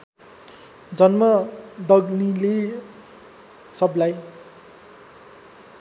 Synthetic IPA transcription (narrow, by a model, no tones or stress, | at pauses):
d͡zʌnmʌd̪ʌɡnile | sʌblaj